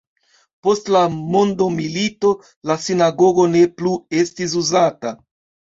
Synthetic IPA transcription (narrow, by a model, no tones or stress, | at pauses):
po̞stlamo̞ndo̞milito̞ | lasinaɡo̞ɡo̞ne̞plue̞stis̬uzata